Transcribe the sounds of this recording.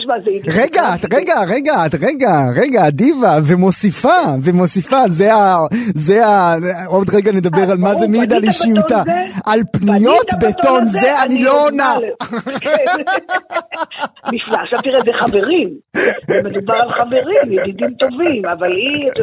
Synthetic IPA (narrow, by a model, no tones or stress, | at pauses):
ʃmazeʁeɡat̪ʁeɡaʁeɡaːt̪ʁeɡaʁeɡaːd̪ivavemo̞sifavemo̞sifazeazeao̞d̪ʁeɡane̞d̪abeʁalmazemid̪aliʃiutaʔalpnijo̞t̪bet̪onzeanilo̞onak | miflaʃat̪iʁezeχave̞ʁimzmed̪ubaʁalχaveʁimjedid̪imt̪ovimavali